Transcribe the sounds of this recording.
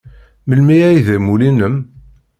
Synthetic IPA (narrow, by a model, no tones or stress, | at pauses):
məlmiæjðæmulinəm